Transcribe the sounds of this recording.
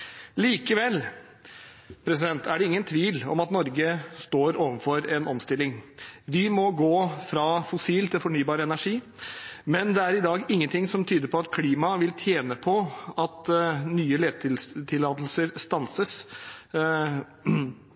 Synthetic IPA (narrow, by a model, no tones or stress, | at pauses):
liːkəʋɛl | pʰɾɛs̬ɪd̪ɛnt̪æɖɛɪŋːənt̪ʰʋiːlɔ̰mɑt̪nɔɾɡəst̪oːɾoːʋənfɔɾɛnʔɔmst̪ɪlːɪŋʋɪmɔɡoːfɾɑfʊsiːlt̪ʰɪlfɔɳyːbɑːɾəɛnæʂiː | mɛnd̪ɛæɾɪd̪ɑːɡɪŋːənt̪ʰɪŋsɔmt̪ʰyːd̪əɾpʰɔɑt̪kʰliːmɑʋɪlt̪ʰjeːnəpʰɔɑt̪nyːəleːd̪̚t̪ʰɪlt̪ʰɪlːɑːt̪l̩səɾst̪ɑnsəs